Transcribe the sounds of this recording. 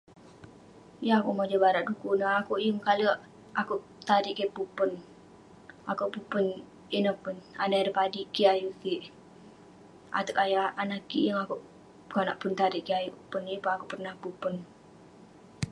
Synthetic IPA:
jaakuʔmad͡ʒəbaɾaʔdukunəakuʔjəmkaləʔ | akuʔ | t̪aɾiʔkepupən | akuʔpupən | inəhpʊnanaɾəpadiʔkiajukiʔ | ʔa̰t̪əkajaanakḭjəŋakuʔ | kanaʔpʊnt̪aɾiʔkiajuʔpʊnipaakuʔpərnahpupən

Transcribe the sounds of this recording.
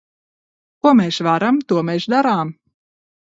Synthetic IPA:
kuɔmeːsvaɾamt̪uɔmeːʃd̪aɾaːm

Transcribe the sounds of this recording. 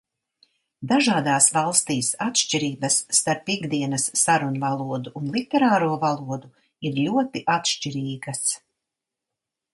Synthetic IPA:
d̪aʒaːd̪aːsvɑlˠst̪iːsat̪ʃt͡ʃiɾiːbɐsːt̪aɾpiɡd̪iɛnasːaɾunvalˠuɔd̪uʔːnlˠit̪ɛɾaːɾuːɔvalˠuɔd̪u | iɾluɔt̪iʔat̪ʃt͡ʃiɾiːɡas

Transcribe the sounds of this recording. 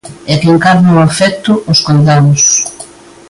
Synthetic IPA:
ɛkeŋkaɾnafɛkt̪ʊʊskojðaðʊs

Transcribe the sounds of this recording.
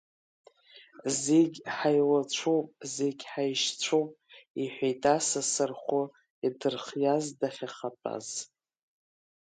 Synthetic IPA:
zeɡʲħajlat͡ɕʷʰowpʼzeɡʲħajʃt͡ɕʷʰowpʼiħʷᶣejtʼasasɨrχʷʊ | idɨrχjazdaχʲaχapʼa̰z̥

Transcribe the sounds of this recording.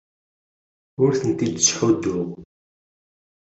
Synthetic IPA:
ʊɾθənt̪id̪ə̥sħud̪ːʊʁ

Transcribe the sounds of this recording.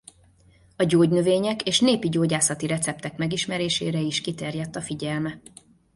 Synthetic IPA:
ɒɟoːɟnøveːɲɛkeːʃneːpiɟoːɟaːsɒt̪iɾɛt̪sɛp̚t̪ɛkmɛɡiʃmɛɾeːʃḛːɾɛiʃkit̪ɛrjɛt̪ːɒfiɟɛlmɛ

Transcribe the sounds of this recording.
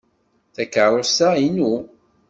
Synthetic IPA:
θækːəɾˤosainu

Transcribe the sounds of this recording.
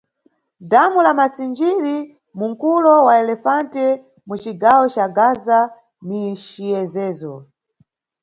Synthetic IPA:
damulamasind͡ʒiɾi | muŋkulɔwaɛlɛfantɛ | mut͡ʃiɡawɔt͡ʃaɡaza | niʃiɛzɛːzɔ

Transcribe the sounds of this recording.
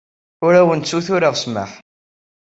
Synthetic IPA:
ʊɾæwənt͡sːuθʊɾaʁsmə̰ħ

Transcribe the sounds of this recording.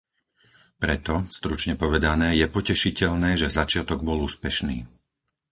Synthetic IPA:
pɾɛt̪ɔst̪ɾut͡ʃɲɛpɔʋɛd̪anɛːjɛpɔcɛʃicɛʎnɛːʒɛzat͡ʃɪat̪ɔɡbɔluːspɛʃniː

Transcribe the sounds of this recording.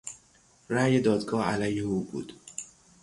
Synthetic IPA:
ræjed̪ɒːd̪ɡɒːhælæjeuːbṵːd̪̥

